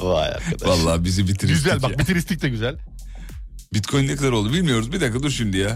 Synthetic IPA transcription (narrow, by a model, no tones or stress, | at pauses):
a̰ja̰valˠːaːbizibit̪ʰiɾiyszælʲbabit̪ʰiɾist̪ʰict̪ɛɟyzælʲ | bit̪kʰojnɛkad̪aɾo̞lˠubilʲmijo̞ɾuzbid̪ak̪ad̪yʃynd̪ija